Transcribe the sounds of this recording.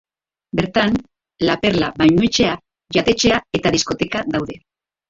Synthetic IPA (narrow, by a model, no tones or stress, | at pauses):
be̞ɾt̪an | lape̞ɾlaβajɲuet͡ʃe̞a | ʝat̪e̞t͡ʃe̞ae̞t̪aðisko̞t̪e̞kaðawðe̞